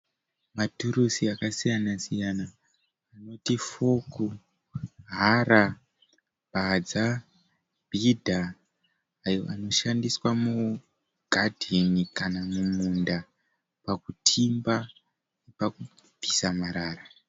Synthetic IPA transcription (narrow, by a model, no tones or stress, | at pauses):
matuɾusiakasijanasijanaː | no̞tifoku | ɦaɾa | bʱad͡za | b̥ʱidʱaː | jo̞̰ʔano̞ʃandiswamu | ɡ̥ʱadʱenikanamumunda | pakutʰimba | nepaku | pisamaɾaːra